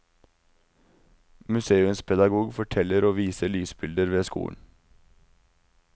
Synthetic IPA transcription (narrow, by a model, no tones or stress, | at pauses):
mʉseːʉnspʰɛd̪ɑɡuːɡfɔʈʰɛləɾoːʋiːsəɭyːsbɪld̪əɾʋeːskṵːn̩